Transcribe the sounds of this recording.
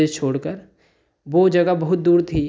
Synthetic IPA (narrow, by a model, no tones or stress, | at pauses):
et͡ʃʰoːɽkəɾ | ʋoːd͡ʒɐɡabɐɦʊt̪̚d̪uːɾt̪ʰiː